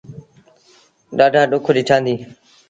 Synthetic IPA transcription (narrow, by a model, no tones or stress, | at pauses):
ɗaːɖʱaːɗʊkʰɗɪʈʰãːnd̪iː